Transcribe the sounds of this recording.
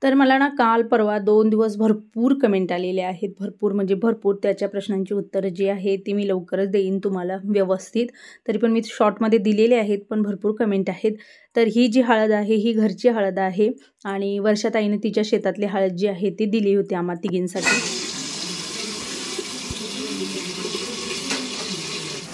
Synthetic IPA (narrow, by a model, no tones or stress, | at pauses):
t̪əɾməlañakalpəɾʋad̪ond̪iʋəs̬bʱəɾpuːɾkəmeɳʈaleleaɦet̪̚bʱəɾpuːɾm̤əɳd͡zebʱəɾpuːɾt̪jat͡ɕjapɾəɕnaɲt͡ɕiːut̪ːəɾd͡ʑiːaɦet̪imiːləʋkəɾət͡sd̪eiːnt̪um̤alaʋjəʋəst̪ʰit̪ːəɾipəɳmiːɕɔʈməd̪ʱːjed̪ileleaɦet̪̚pəɳbʱəɾpuːɾkəmeɳʈaɦet̪ː | əɾɦiːd͡ʑiːɦaɭəd̪aɦeɦiːɡʱəɾt͡ɕiːɦaɭəd̪aɦe | aɽ̃iʋəɾʂat̪ainet̪it͡ɕjaɕet̪at̪leɦaɭəd̪̚d͡ʑiːaɦet̪ːid̪iliːɦot̪iamat̪iɡinsaʈʰiː